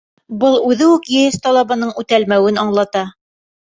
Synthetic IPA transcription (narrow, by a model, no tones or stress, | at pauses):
bɤlˠʉðɘʉkjɵjɘst̪ɑlˠɑβɑnɤɴʉt̪ælmæwɘnɑɴlˠɑt̪ɑ